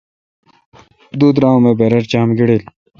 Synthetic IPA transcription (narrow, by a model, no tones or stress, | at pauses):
d̪uːd̪ɾãːõmeːbeːɾɐɾt͡ɕaːmɡiɽil